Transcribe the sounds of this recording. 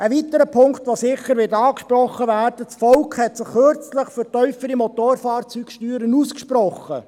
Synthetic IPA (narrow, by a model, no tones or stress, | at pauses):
əʋitəɾəpʰʊŋktʋosɪχəɾʋɪtɑːkʃpɾrɔχːəvæːrd̥ət͡sfɔlkʰhɛtsɪχːøɾt͡sləχføɾtœʏfəɾimɔtoːɾfɑːrt͡syːkʃtyːɾənuːskʃprɔχə